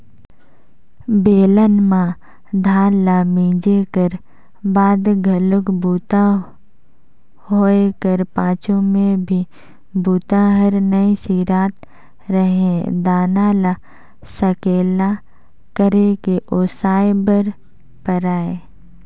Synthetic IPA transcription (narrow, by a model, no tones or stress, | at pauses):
beːlənmã | d̪ʱaːnlamĩːd͡ʒekəɾ | baːd̪ɡʱələkbuːt̪a | ɦoːekəɾpãːt͡ʃõmẽbʱi | buːt̪aɦəɾnəisiɾaːt̪ | ɾəɦẽd̪aːnala | səkeːla | kəɾekeʔoːsaːebəɾ | pəɾaːe